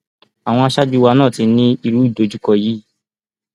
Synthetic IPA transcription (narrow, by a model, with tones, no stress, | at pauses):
a˨w̃ɔ̃˧a˧ʃa˦d͡ʒi˦˧˦wa˧nã˦˨ti˧nĩ˦i˧ɾu˦i˦˨do˨˧˦d͡ʒu˦kɔ˧ji˨˦